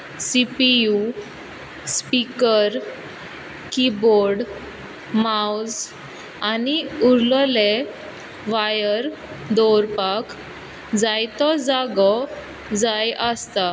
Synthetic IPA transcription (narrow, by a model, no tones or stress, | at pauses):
sipiju | spikəɾ | kiboɾɽ | maws | aniuɾlɔle | ʋajəɾ | d̪ɔɾpak | d͡zajt̪ɔd͡zaɡɔ | d͡zajʔəst̪a